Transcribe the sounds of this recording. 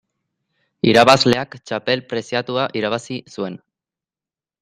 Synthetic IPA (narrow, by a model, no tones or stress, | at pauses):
iɾaβazle̞akt͡ʃape̞lpɾe̞sjat̪uaʔiɾaβ̞asisue̞n